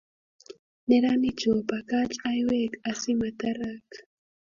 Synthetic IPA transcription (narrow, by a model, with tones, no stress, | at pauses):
nɛ˦ɾani˦t͡ʃo˨pa˨ka˦t͡ʃajwɛkasi˦ma˨taɾak